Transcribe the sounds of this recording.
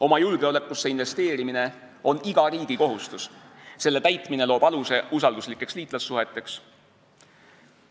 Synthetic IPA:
o̞mɑjulɡ̥e̞o̞le̞kːˑusːeinve̞st̪e̞ːɾimine̞ | o̞niɡ̥ɑɾiːɡ̥iko̞ɦust̪usse̞lːe̞t̪æjt̪ˑmine̞lo̞ːb̥ɑluse̞ʔusɑld̪uslikːˑe̞ksliːt̪ˑlɑsːuɦe̞t̪ːˑe̞ks

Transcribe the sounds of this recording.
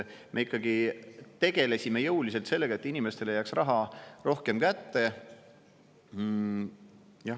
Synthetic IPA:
mʔe̞ikːˑɑɡit̪e̞ɡ̥e̞le̞sʲime̞jɤwlis̬elt̪se̞lːeɡɑe̞t̪ːˑinime̞st̪ele̞jæːksrɑɦɑro̞hke̞mkæt̪ːe̞ | jɑ

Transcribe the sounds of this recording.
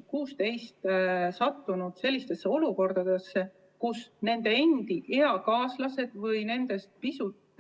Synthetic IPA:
kuːst̪e̞jst̪sɑt̪ːˑunud̪̥se̞lʲːist̪e̞sːeo̞luko̞rd̪̥ɑd̪̥e̞sːe | kusne̞nd̪e̞end̪iʔeɑkɑːslɑse̞d̪̥vɤjne̞nd̪̥e̞st̪̚pisut̪ːˑ

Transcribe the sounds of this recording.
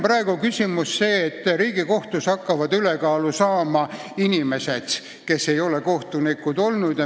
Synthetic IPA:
prɑe̞ɡ̥ukysʲimusːe̞ːt̪ːriːɡ̥iko̞ht̪ushɑkːɑvɑd̪ylekɑːlusɑːmɑ | inime̞se̞d̪̥ | ke̞sːe̞jo̞leko̞ht̪unikːˑud̪o̞lnud̪̥jɑ

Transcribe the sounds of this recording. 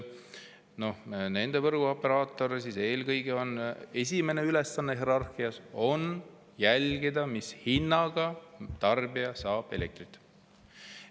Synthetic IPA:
no̞hne̞nd̪̥e̞vɤrɡ̥uo̞pːe̞ɾɑːt̪ːˑo̞ɾesise̞ːlkɤjɡ̥eo̞ne̞sʲime̞ne̞yle̞sːɑnːeɦeɾɑrxiɑso̞n | jælɡ̥id̪ɑmishinːɑɡ̥ɑt̪ɑrbiɑsɑːb̥e̞le̞k̚t̪rit̪ːˑ

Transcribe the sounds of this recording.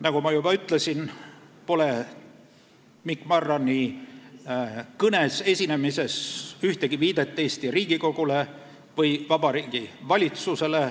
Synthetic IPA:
nɑkɡumɑjubɑyt̪ˑle̞sin | po̞le̞ | mikˑmɑrːɑni | kɤne̞se̞sʲine̞mise̞syht̪eɡ̥iviːd̪̥e̞t̪ːˑeːsʲt̪iriːɡ̥iko̞ɡ̥ule̞ | vɤjvɑbɑɾiːɡivɑlʲit̪suse̞le

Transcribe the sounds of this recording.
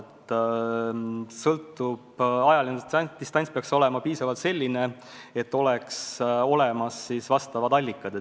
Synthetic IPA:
t̪ː | sɤlt̪ːˑub̥ɑjɑlint̪ist̪ɑnʲsʲpeɑkso̞lɛ̞mɑpiːsɑvɑlt̪se̞lʲːine̞ | et̪ːo̞lɛkso̞le̞mɑsːisvɑst̪ɑvɑd̪ɑlʲːikːˑɑd̪e

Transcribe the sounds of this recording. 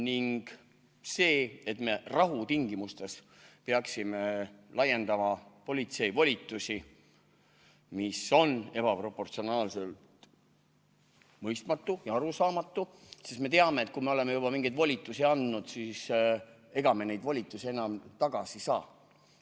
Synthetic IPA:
niŋɡ̥ | se̞ːet̪me̞rɑɦut̪iŋɡimust̪e̞s | peɑksime̞lɑje̞nd̪ɑmɑpo̞lit̪se̞jvolʲit̪ːˑusi | miso̞ne̞b̥ɑpro̞pːo̞rt̪sio̞nɑːlselt̪ | mɤjst̪mɑt̪ːujɑɑɾusɑːmɑt̪ːusist̪me̞t̪eɑme̞ːt̪̚kume̞o̞le̞mejub̥ɑmiŋɡ̥ejd̪volʲit̪ːˑusiɑnd̪nud̪̥sis | e̞ɡ̥ɑme̞ne̞jd̪volʲit̪ːˑusie̞nɑmt̪ɑɡ̥ɑsisɑː

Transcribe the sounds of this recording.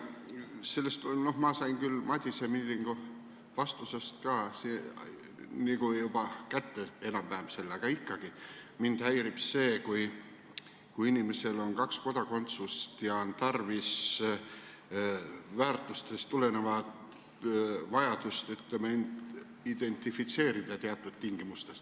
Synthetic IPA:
se̞lːe̞st̪olno̞hmɑsɑjnkylmɑt̪ʲisemilːiŋɡ̥u | vɑst̪usest̪kɑːsi | niɡ̥ujubɑkæt̪ːe̞e̞nɑmvæhemse̞lːɑɡ̥ɑikːɑɡ̥imind̪̥hæjɾipse̞ːkuj | kujinime̞se̞lo̞nkɑksko̞d̪̥ɑko̞nt̪sust̪jɑo̞nt̪ɑrvis | væːrt̪ːˑust̪e̞st̪ːule̞ne̞vɑt̪ | vɑjɑd̪̥ust̪yt̪lemeend̪ | id̪̥e̞nʲt̪ifit̪se̞ːɾid̪̥ɑt̪eɑt̪ːˑud̪̥t̪iŋɡ̥imust̪e̞st̪

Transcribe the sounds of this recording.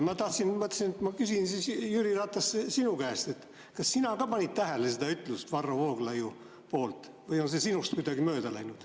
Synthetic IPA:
mɑt̪ɑht̪sinmɤt̪ːˑsinet̪mɑkysinsiːsjyɾirɑt̪ːˑɑssinukæːst̪e̞t̪ː | kɑsːinɑkɑpɑnʲit̪̚t̪æɦælesed̪ɑyt̪ˑlust̪vɑrːovoːɡ̥lɑju | poːlt̪ˑ | vɤjonsesinust̪kujd̪ɑɡimøːd̪ɑlæjnud̪̥

